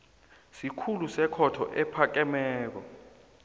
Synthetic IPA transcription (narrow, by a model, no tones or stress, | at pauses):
sikʰulusɛkʰɔtʰɔ̰ʔɛpʰak̬ɛmɛːk̬ɔ